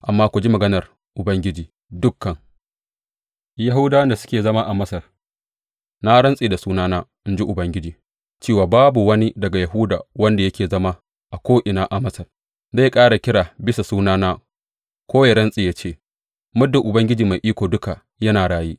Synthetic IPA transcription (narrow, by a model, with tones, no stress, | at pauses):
ʔa˨mːaː˦kʷʊ˨d͡ʒi˦mɐ˨ɡɐ˦nɐ˨r | ʔʊ˨bɐ˦ŋɡʲɪ˦d͡ʒiː˨ | dʊ˦kːɐ˨ŋ | ja˦ɦʊ˦wda˦wɐ˦nda˨sʊ̥˦kʲeː˨zɐ˦ma˦ʔa˨mɐ˦sɐ˨r | na˦ɽɐ˦nsʼiː˨da˨suː˦naː˦naː˦ | ɪ˦n˦d͡ʒi˦ʔʊ˨bɐ˦ŋɡʲɪ˦d͡ʒiː˨ | t͡ʃeː˦waː˨baː˦bu˨wɐ˦ni˦dɐ˨ɡa˨jɐ˨ɦu˦daː˨wɐ˦nda˨jɐ˦kʲeː˨zɐ˦ma˦ | ʔa˨kʷoː˦ʔɪ˨naː˦ʔa˨mɐ˦sɐ˨r | za˦˨kʼaː˦ɽa˨kʲɪ˦ɽaː˨bɪ˦sa˨suː˦naː˦naː˦ | kʷoː˦ja˨ɽɐ˦nsʼiː˨jaː˦t͡ʃeː˦˨ | mʊ˦dʊ˨ʔʊ˨bɐ˦ŋɡʲɪ˦d͡ʒiː˨ma˨jʔiː˦kʷoː˨dʊ˦ka˨ | jɐ˦naː˨ɽaː˦jiː˦ʔ